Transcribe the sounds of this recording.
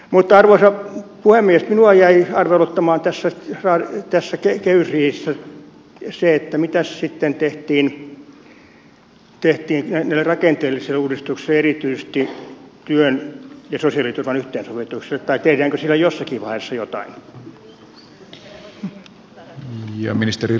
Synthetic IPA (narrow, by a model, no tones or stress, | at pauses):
mut̪ːɑrʋoisɑpuhemːiest̪minuɑjæiɑrʋelot̪ːɑmɑːnt̪æsːærɑːt̪æsːækekeysiisːæ | seet̪ːæmit̪æssit̪ːent̪eht̪iːn | t̪eht̪iːnnænæilːerɑkent̪eːlːiselːuːɾist̪ukselerit̪yise̥st̪it̪yønjɑsosiɑlit̪urʋɑnyht̪eːnsoʋit̪ukselːet̪t̪ɑit̪ehɾæːŋkøsilːæjosːɑkiʋʋɑiesːɑjot̪ɑ̰in | jɑ̰minist̪eri